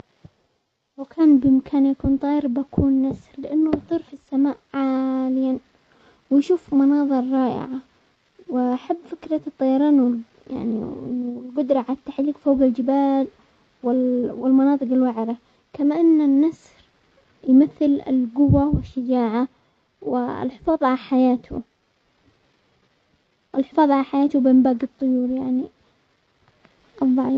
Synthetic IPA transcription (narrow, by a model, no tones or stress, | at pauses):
wɪkʰaːnbɪmakʰaːnjakuːnt̪ˤɑːjɾˤbakʰuːnːasɾlɪʔanːʊjt̪ˤɨɾfisːamaːʔʕaːlɪjan | wɪjʃuːfmɑnɑːðˤɨɾˤɾˤɑːʔɪ̰ʕa | wɪʔaħabːfɪkɾˤɑt̪ˤːɑjɑɾˤɑːnwɪl | ja̰ʕnḭɪlɡʊd̪ɾˤɑʕalat̪ːaħliːɡfoːɡɪld͡ʒɪbaːl | wɪwɪlmɑnɑːt̪ˤɨqɪlwaʕɾa | kamaʔanːanːas | ɾ | jmaθːɪlɪ̰lɡʊwːawɪʃːad͡ʒaːʕa | wɪ̰lħɪfɑːðˤʕaaħajaːt̪ʊ̰ | wɪlħɪfɑːðˤʕaʕaħajaːt̪ʊbɪʔɪmbaːɡɨt̪ˤːʊjuːɾjaʕni | ʔɑðˤːɑʕiː